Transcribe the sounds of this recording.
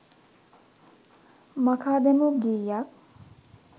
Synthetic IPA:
mɐkʰad̪emuɡijak̚

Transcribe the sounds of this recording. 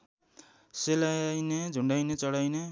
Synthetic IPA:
selajned͡zʱuɳɖajnet͡sʌɽajne

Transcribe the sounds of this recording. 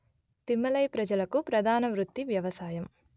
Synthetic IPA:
t̪imːɐlɐjpɾɐd͡ʒɐlɐkupɾɐd̪ʱaːnɐʋɾut̪ːiʋjɐʋɐsaːjɐm

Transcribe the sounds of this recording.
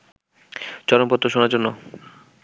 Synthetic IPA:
t͡ɕɔɾompɔt̪ːɾoʃonaɾd͡ʑonːo

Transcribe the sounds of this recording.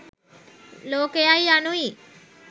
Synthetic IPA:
loːkejajanui

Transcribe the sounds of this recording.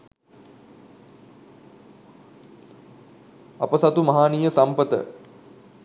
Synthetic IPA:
apəsat̪umɐɦaːnijəsampət̪ə̰

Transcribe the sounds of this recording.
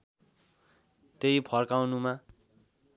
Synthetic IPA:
t̪ejpʰʌrkawnuma

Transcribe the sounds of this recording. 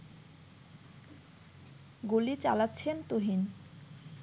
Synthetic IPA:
ɡolit͡ɕalatːɕʰent̪oɦin

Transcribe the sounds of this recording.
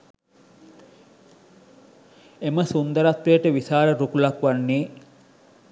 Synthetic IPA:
eməsund̪əɾat̪ɾeːʈəʋisaːɾəɾukulakʋanːeː

